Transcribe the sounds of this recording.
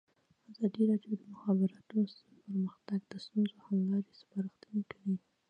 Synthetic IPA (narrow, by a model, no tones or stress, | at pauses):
azɑd̪iɾɑɖjod̪əmʊxɑbɪɾɑt̪unos | pəɾməxt̪aɡd̪əst̪unzohamlɑɾespɑɾəxt̪ənekəɽi